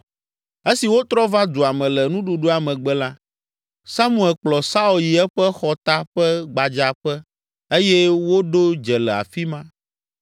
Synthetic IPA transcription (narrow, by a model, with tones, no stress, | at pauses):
e˦si˨wo˦t̪ɾɔ˦va˦d̪u˨a˨mɛ̃˨lɛ˨nũ˦ɖu˨ɖu˦a˨mɛ̃˨ɡ͡bɛ˦la˦ | sa˦mu˨ɛ˨lk͡plɔ˨sa˦o˨lji˨ɛ˦ɸɛ˦xɔ˨t̪a˦ɸɛ˦ɡ͡ba˨d͡ʒa˨ɸɛ˦ | e˦jɛ˦wo˦ɖo˦d͡ʒɛ˨lɛ˨a̰˨fi˦mã˦